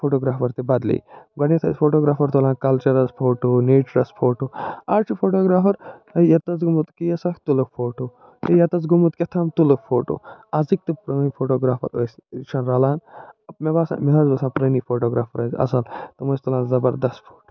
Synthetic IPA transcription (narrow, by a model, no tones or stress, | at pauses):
pʰoːʈoːɡɾaːfʰɐɾt̪ebɐd̪lḭːɡɐnet̪ʰɐspʰoːʈoːɡɾaːpɐɾt̪olãːnkɐlt͡ʃɐɾɐspʰoːʈoːneːt͡ʃɾɐspʰoːʈoːaːɾt͡ʃʰipʰoːʈoːɡɾaːpɐɾɐjɐt̪ɐt͡sɡumut̪kijɐsɐkʰt̪ulɐkpʰoːʈoː | ɐjɐt̪ɐt͡sɡumut̪ket̪ʰɐmt̪ulɐkpʰoːʈo̰ːazik̚t̪ipɾɐnipʰoːʈoːɡɾaːpʰɐ̰ɾost͡ʃʰɐnɾɐlaːnɐp̚mebaːsã̰ːmiɦɐzbɐsãːpɾɐnipʰoːʈoːɡɾaːpʰɐɾɐzɐ̰sɐlt̪ɐmɐst̪ulãːnzɐbɐɾd̪ɐst̪pʰo̥ːʈo̥ː